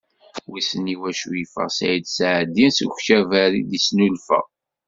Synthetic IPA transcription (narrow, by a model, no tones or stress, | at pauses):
wisəniwæʃufə̰ʁsæ̰jid̪sʕd̪ːinsəxʃævæɾḭd̪isnulfə̰ʁ